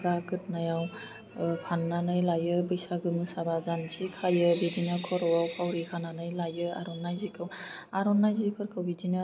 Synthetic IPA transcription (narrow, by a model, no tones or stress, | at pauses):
pɾaɡɯt̚najaw | pʰanːanɯjlajɯbɯjsaɡɯmɯsabazansikʰajɯbedinɯkʰɔɾɔwawpʰawɾikʰananɯjlajɯa̰ɾɔnːajzikʰɯw | aɾɔnːajzipʰɯɾkʰawbidinɯ